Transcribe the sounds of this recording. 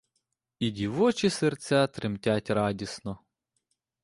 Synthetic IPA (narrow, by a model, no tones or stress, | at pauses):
idʲiʋɔt͡ʃisert͡sʲat̪ɾɪmtʲatʲɾɑdʲisnɔ